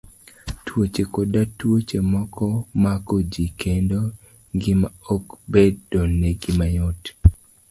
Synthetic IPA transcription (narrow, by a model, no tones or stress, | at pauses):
twot͡ʃekodatwot͡ʃemɔkʰɔmakod͡ʒikʰendo | ɡɪmaokbeddɔnːeɡɪmajot